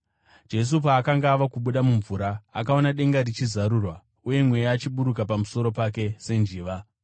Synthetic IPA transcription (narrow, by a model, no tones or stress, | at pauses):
d͡ʒe̞s̬upaːkaŋɡaːʋakuɓuɗamuɱvuɾaːkao̞naɗe̞ŋɡaɾit͡ʃizaɾuːrwa | uje̞mwe̞jaːt͡ʃiɓuɾuk̬apamuso̞ɾo̞pake̞se̞nd͡ʒiːʋa